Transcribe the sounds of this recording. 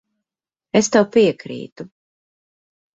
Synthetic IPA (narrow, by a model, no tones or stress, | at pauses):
est̪awpiɛkɾḭːt̪u